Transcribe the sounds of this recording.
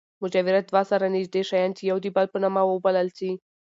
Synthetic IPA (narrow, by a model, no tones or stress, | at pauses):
mʊd͡ʒɑwɪɾad̪wɑsaɾanɪzd̪eʃajɑnt͡ʃijawd̪ibalpənamawəbaləlsi